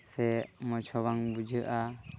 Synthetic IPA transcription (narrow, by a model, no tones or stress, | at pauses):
sɛmɔt͡ʃʰɔbaŋbud͡ʒʱəʔa